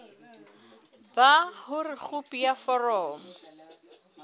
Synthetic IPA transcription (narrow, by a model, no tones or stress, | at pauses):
bahʊrɪk͡xʊpʼijafɔrɔːmɔ